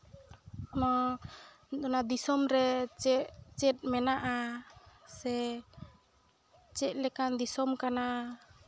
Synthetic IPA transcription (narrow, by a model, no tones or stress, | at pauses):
mɔ | d̪ɔnad̪isɔmɾɛt͡ʃɛʔt͡ʃɛt̪̚mɛnaʔa | sɛ | t͡ʃɛʔlɛkand̪isɔmkana